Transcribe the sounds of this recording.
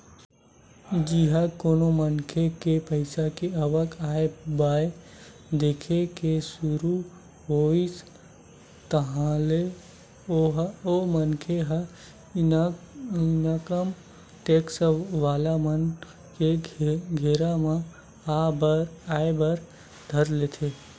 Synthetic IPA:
d͡ʒiɦakoːnomənkʰekepəɪsakeəʋəkʰaebaːe | d̪eːkʰekesʊɾu | ɦois | t̪əɦãle | oɦomənkʰeɦa | nakəm | ʈeksʋaːlamən | keɡʱeɾamẽ | aebəɾ | d̪ʱəɾlet̪ʰe

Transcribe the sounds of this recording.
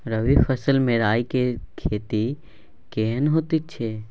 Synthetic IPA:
ɾɐʋifʰɐsəlmẽɾaːikekʰeːt̪i | keːnɦoːt̪it͡ʃʰeː

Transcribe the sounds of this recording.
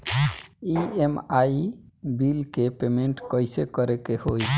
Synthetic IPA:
iemaibilkepemẽɳʈkɔjsekɔɾekehoj

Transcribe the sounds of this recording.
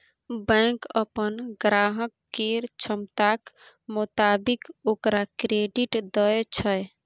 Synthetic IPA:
bə̃jkə̰pənɡɾaɦəkːeɾt͡ʃʰəmt̪ak | mut̪abikokɾakɾeɖiʈd̪ət͡ʃʰəj

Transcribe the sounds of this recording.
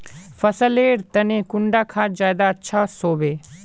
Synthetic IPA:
pʰəsəleːɾt̪ənẽːkʊɳɖaːkʰaːd͡ʒaːd̪aətːʃʰaːsoːbeː

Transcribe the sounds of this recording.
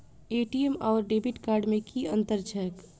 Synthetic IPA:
eːʈiemɔːɾɖeːbɪʈkaːɾɖmẽkʰiɐ̃nt̪əɾd͡ʒək

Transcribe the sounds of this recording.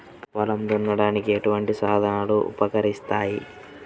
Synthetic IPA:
ʋɐlɐmd̪unːɐɽaːnikieʈuʋɐɳʈisaːd̪ʱɐnaːluʔṵpɐkɐɾist̪aːji

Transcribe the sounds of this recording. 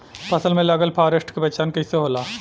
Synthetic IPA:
pɐsəlmẽlɐɡəlpʰaːɾɪsʈkebɛt͡ʃaːnkɪseɦoːlaː

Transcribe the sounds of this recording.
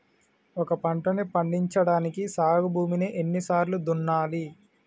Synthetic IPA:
ɔkɐpɐɳʈɐnipɐɳɖiɲt͡ʃɐɽaːnikisaːɡubʱuːmineʔenːisaːɾlud̪unːaːli

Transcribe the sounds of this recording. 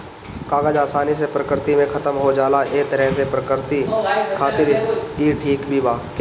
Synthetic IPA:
kaːɡəd͡ʒaːsaːnis̬epɾəkɪɾt̪imẽkʰɐt̪əmɦod͡ʒaːlaʔeːt̪ɐɾɛɦs̬epɾəkəɾt̪ikʰaːt̪ɪɾkiːʈʰiːkbʱibaːk

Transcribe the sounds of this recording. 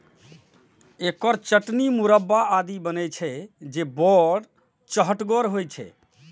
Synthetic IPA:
ekɔɾt͡ʃəʈnimuɾəbːaad̪ibənɛjt͡ʃʰɛd͡ʒebɔɖ | t͡ʃəɦəʈɡɔɾɦojt͡ʃʰɛ̰

